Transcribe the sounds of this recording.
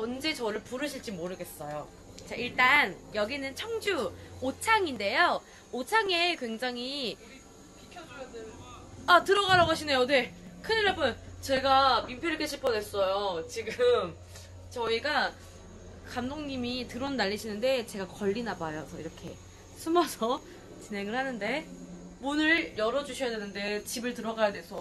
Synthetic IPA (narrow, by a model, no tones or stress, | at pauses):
ʌnd͡ʑe̞t͡ɕʌɾɯɭpuɾɯɕʰiɭt͡ɕ͈imoɾɯɡe̞s͈ʌjo | t͡ɕ͈aiɭt͈anjʌɡinɯnt͡ɕʰʌŋd͡ʑuot͡ɕʰaŋinde̞jo | ot͡ɕʰaŋe̞kwe̞ŋd͡ʑaŋi | atɯɾʌɣaɾaɡoɕʰine̞jone̞kʰɯniɾʌp͈ʰɯnt͡ɕe̞ɡamimpʰjoɾikeɕʰipʰʌdwe̞s͈ʌjot͡ɕiɡɯm | t͡ɕʌiɡa | kamdoŋɲimitɯɾonːaʎːiɕʰinɯnde̞t͡ɕe̞ɡakʌʎːinabajosʰʌḭɾʌkʰe̞̰ | sʰumasʰʌ | t͡ɕinɦe̞ŋɯɭhanɯnde̞ | munɯɭjʌɾʌd͡ʑuɕʰʌjadwe̞nɯnde̞t͡ɕibɯɭtɯɾʌɡajadwe̞s͈ʰʌ